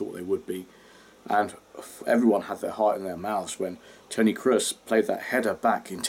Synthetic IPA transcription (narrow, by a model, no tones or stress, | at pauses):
ɔ̰ˑʔ̪ðeɪwəd̚bi | ʔə̃nfɛ̰vɹiwʌ̃nəd̪̚ðə˞hɑɹtɨ̃nðə˞maʊθz̥wə̃ntʰə̃ʊñikʰɹ̥ɪspʰl̥eɪd̪̚ðə̰t̚hɛɾəbakʰɨ̃ntʰ